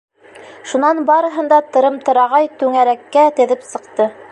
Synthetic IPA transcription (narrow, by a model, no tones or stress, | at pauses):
ʃunɑnbɑɾɤ̆ɦɤ̆nd̪ɑt̪ɤ̆ɾɤmt̪ɤ̆ɾɑʁɑjt̪ʉŋæɾækːæt̪ɘ̆ðɘpsɤ̆qt̪ɤ